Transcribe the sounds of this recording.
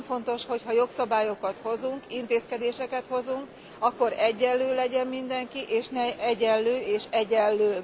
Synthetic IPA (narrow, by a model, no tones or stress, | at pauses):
fo̞nt̪o̞ʃho̞chɒjo̞ksɒbaːjo̞kɒt̪ho̞zuŋkint̪eːskɛd̪eːʃɛkɛt̪ho̞zuŋk | ɒkːo̞ɾɛɟːɛløːlɛɟɛmmind̪ɛŋkiʔeːʃnɛɛɟɛlːøːeːʃɛɟɛlːøː